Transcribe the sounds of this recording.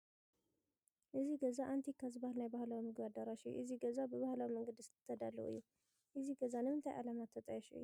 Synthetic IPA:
ʔɨziɡɐzaʔant̪ʰikʰːazibahlnajbahlawimɨɡad̪aɾaʃiʔɨziɡɐzabəβahlawiməŋɡəd̪ɨsɨ̥t̪ʰːɐd̪alːəʔɨ̰jːu | ʔɨziɡɐzanɨmɨnt̪ʰajʔa̰lamat̪ʰːɐt̪ʼajɛʃuɨ̰jːu

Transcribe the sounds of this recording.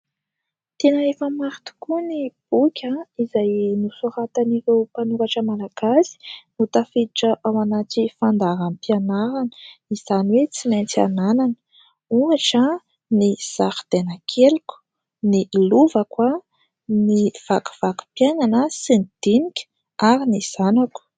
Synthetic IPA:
t̪enaefəmaɾit̪u̥kunib̥ukʲəizajnusuɾat̪aniɾewpanukaʈ͡ʂəmalaɡ̥asi̥nut̪afiiʈ͡ʂəʔawanatifand̪aɾanpianaɾanə̥iz̥aniwet͡simant͡sa̰nananə̥ | uŋaʈ͡ʂə | niz̥axd̪̥enəkʰelkʲu̥ | niluvəkwa | niv̥aku̥v̥aku̥pjananəsinid̪̥inikʲə̥ | aɾiniz̥anaku̥

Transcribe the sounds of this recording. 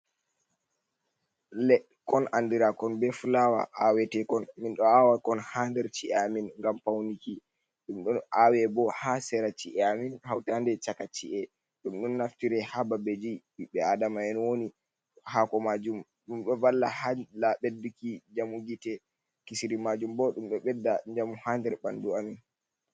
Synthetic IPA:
lɛɗ | kɔnandiɾakɔnbɛfulawa̰ʔawɛtɛkɔnminɗɔawakɔnhandɛɾt͡ʃiʔɛaminŋɡampawniki | ɗumɗɔnawɛbɔhasɛɾat͡ʃiʔɛaminhawtandɛt͡ʃakat͡ʃiʔɛ | ɗumɗunːaftiɾɛhababɛd͡ʒi | iɓɛadamaɛnwoni | hakɔmad͡ʒum | ɗumɓɛvalːahalaɓedːukid͡ʒamuɡitɛ | kisiɾimad͡ʒumbɔɗumɓɛɓɛdːaɲd͡ʒamuhandɛɾɓanduamin

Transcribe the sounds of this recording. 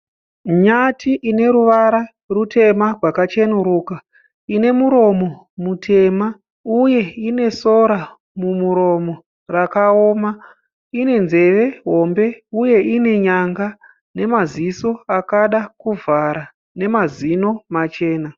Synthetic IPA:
ɲatiʔine̞ɾuʋaɾa | rutʰe̞marwakat͡ʃenuɾuːka | ine̞muɾo̞mo̞ | mutʰe̞ma | uje̞ine̞so̞ɾa | mumuɾo̞mo̞ | rakaoːma | ine̞nze̞ʋe̞ɦo̞mbe̞uje̞ine̞ɲaŋɡa | ne̞maziso̞akaɗakuvʱaɾa | ne̞mazino̞mat͡ʃe̞ːna

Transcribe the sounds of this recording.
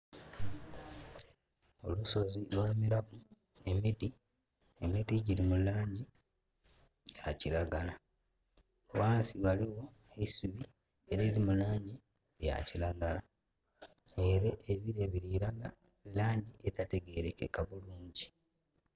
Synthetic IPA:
o̞̰luso̞zilwaːmiɾaku | e̞miti | emitiɟiɾimulaːɲɟi | ja̰cilaɡala | waːnsiβaliwo̞eisuβi | eɾelimulaːɲɟi | eja̰cilaɡala | eɾeʔːβiɾeβiɾiɾaɡa | laːɲɟiʔetate̞ɡe̞ɾekḛkaβuluːɲɟi

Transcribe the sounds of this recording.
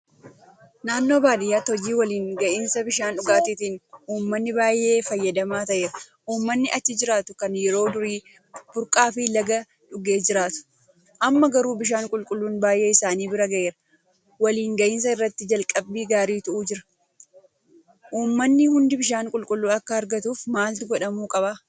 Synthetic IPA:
naːnːo̞ːbaːd̪ɪjːaːt̪ɔd͡ʒiːwɐliːŋɡɐʔɪnsɐbɪʃaːnᶑʊɡaːt̪ɪt̪iːnuːmːɐnːɪbaːjʔe̞ːfɐjːɐd̪ɐmaːt̪ɐʔeːɾɐ | ʔuːmːɐnːɪʔɐt͡ʃːɪd͡ʒɪɾaːt̪ʊkɐnjɛɾo̞ːd̪ʊɾiː | b̥ʊɾkʼaːfɪlɐɡɐ | ᶑʊɡe̞ːd͡ʒɪɾaːt̪ʊ̥ | ʔɐmːɐɡɐɾuːbɪʃ̬aːŋkʼʊlkʼʊlːuːnbaːjʔe̞ːɪsaːniːbɪɾɐɡɐʔe̞ːɾɐ | wɐliːŋɡɐʔɪns̬ɐɪrːɐt̪ːɪd͡ʒɐlkʼɐbːiːɡaːɾiːt̪ʊʔuːd͡ʒɪɾɐ̥ | ʔuːmːɐnːɪhʊnd̪ɪbɪʃaːŋkʼʊlkʼʊlːuːɐkːɐɐɾɡɐt̪uːfmaːlt̪ɪɡɔᶑɐmuːkʼɐba

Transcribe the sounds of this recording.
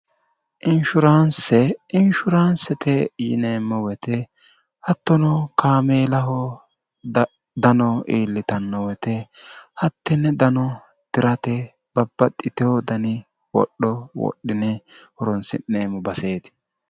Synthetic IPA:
ʔɪnʃʊɾansɛɪnʃʊɾaːnsɛt̪ɛjɪ̰neːmːɔwɛt̪ɛ | hɐt̪ːɔnɔkʰaːmeːlɐɦɔ | d̪ɐnɔiːlːɪt̪ɐnːɔwɛt̪ɛhɐt̪ːɪnːɛd̪ɐnɔ | t̪ɪɾɐt̪ɛ | b̥ɐbːɐt̪ʼːɪt̪ɪɔd̪ɐnɪ | wɔ̰ɗːɔwɔ̰ɗːɪnɛhɔɾɔnsɪ̰nːeːmɔbɐse̞ːd̪ɪ̥

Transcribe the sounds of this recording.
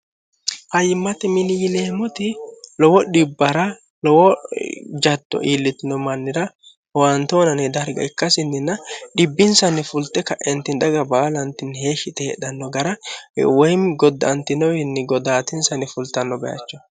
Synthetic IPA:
hɐjɪmːɐt̪ɛmɪnɪjɪleːmʊt̪ɪlɔwɔᶑɪbːɐɾɐ | lɔwɔ | d͡ʒɐd̪ːɔ̰ʔiːlːɪt̪ɪnɔmɐnːɪɾɐ | want̪oːnɐnɛd̪ɐɾɡɐ̰ɪkːɐsɪnːɪnːɐᶑɪbːɪnsɐnɪfʊlt̪ːɛkɐʔɛnt̪ɪnd̪ɐɡɐbaːlɐnt̪ɪnheːʃɪt̪ɛhɛᶑɐnːɔɡɐɾɐwɔjmɡɔd̪ːɐnt̪ɪnɔwɪnːɪɡɔd̪aːt̪ɪnsɐnɪfʊlt̪ɐnːɔbɛjɐ̰t͡ʃːɔ̥

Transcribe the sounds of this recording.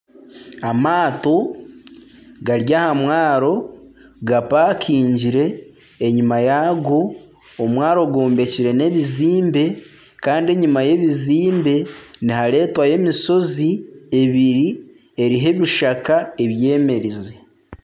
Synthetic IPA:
amaːto̞ | ɡaɾjahamwaːɾo̞ɡapaːkʰiːɲɟiɾe̞ː | ɲimajaɡo̞ː | mwaːɾo̞ɡoːmbe̞ciɾe̞ne̞βiziːmbe̞ | kaːndie̞ɲumaje̞βiziːmbe̞nihaɾe̞ːtwaje̞miso̞zie̞βiɾi | e̞ɾiɦe̞βiʃakae̞βje̞ːme̞ɾize

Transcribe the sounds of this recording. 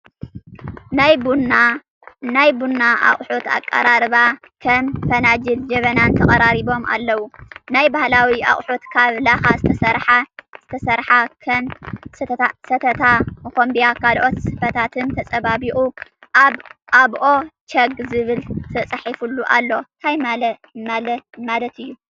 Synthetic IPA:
najba | najbunːaʔa̰χʼħut̪a̰kʼːɐ̰ɾaɾɨβa | kʰɐmfɐnad͡ʒɨld͡ʒɐβɐnant̪ʰɐχʼɐɾaɾiβo̞mʔa̰lːɐwunajbahlawiʔa̰χʼħut̪kʰaβlaxazɨt̪ʰɐsɐɾħaz̥ɨt̪ʰɐsɐɾħakʰɐmsasɐt̪ʰɐt̪ʰamɐxombijakʰalʔo̞t̪sɨfɐt̪ʰat̪ʰɨnt̪ʰɐt͡sʼɐβabiʔʼuʔaβʔaβʔo̞t͡ʃɐɡzɨβɨlt̪ʰɐt͡sʼɐħifulːuʔalːo̞t̪ʰajmalɐmalɐmalɐt̪ɨjːu

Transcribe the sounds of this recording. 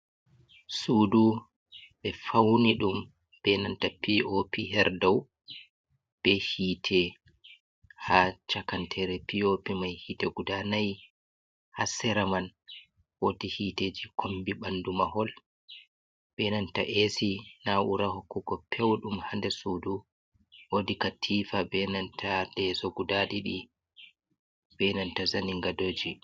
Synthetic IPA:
suːdu | bɛfawniɗum | b̥ɛnantapiopiɦɛɾdɔw | b̥ɛhiːtʰɛ | hat͡ʃakantʰɛɾɛpiopimajhitɛɡudanaj | hasɛɾaman | wodihiːteːd͡ʒikʰombiɓandumaɦɔl | bɛnanta̰ʔesinaʔuɾahokːuɡɔpʰɛwɗumhandɛsudu | wodikatʰifabɛnantʰadɛsoɡudaɗiɗi | b̥ɛnantazaniŋɡadoːd͡ʒi

